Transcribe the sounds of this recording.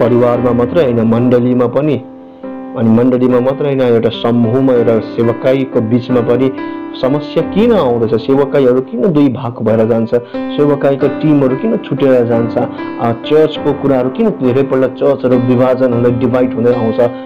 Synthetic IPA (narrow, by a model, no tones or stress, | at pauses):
pʌɾiwarmamʌt̪rʌjɦʌjnʌmʌɳɖʌlimapʌni | ʌnimʌɳɖʌlimamʌt̪rʌjɦʌjnʌewʈasʌmbʱumaewʈasebʌkajkobit͡smapʌnisʌmʌsjakinʌaw̃d̪ʌjt͡sʰʌsebʌkajɦʌɾukinʌd̪ujbʱaɡbʱʌeɾʌd͡zant͡sʰʌsebʌkajkoʈimɦʌɾukinʌt͡sʰuʈeɾʌd͡zant͡sʰʌ | t͡sʌrt͡skokuɾaɦʌɾukinʌd̪ʱeɾʌjpʌɽlʌt͡sʌrt͡sɦʌɾubibʱad͡zʌnɦʌɾulajɖibʱajʈɦũd̪ʌjaw̃t͡sʰʌ